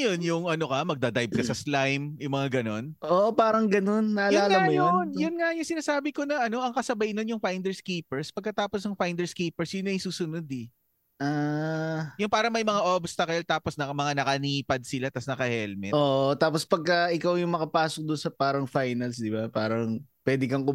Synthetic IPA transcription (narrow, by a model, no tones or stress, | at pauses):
jonjʊŋʔɐno̞kɐmɐɡ̚d̪ad̪ajb̚kɐsɐslajmjʊŋmɐŋaɡɐno̞nʔoːʔopaːɾɐŋɡɐno̞nːɐʔɐjlaːlɐaʊjonjʊnŋajʊŋsɪnaːsaːbɪko̞nɐʔɐno̞ʔɐŋkɐsɐbɐjnonjʊŋfajnd̪ɛɹskiːpɛɹspɐɡ̚kːɐt̪aːposnɐŋfajnd̪ɛɹskiːpɛɹsjʊnːɐjsuːsʊnod̪ɛ | ʔaː | jʊnpaːɾɐmɐjmɐŋaʔobst̪ɐkɛlt̪aːposnɐmɐŋanɐkɐniːpɐd̪̚sɪlat̪ɐsnɐkɐhɛlmɛʔoːʔot̪aːpospɐɡ̚kɐʔɪkawjʊŋmɐkɐpaːsok̚d̪ʊnsɐpaːɾɐŋfajnɐlsd̪ɪbapaːɾɐŋpwɛːd̪ɪkɐŋkʊ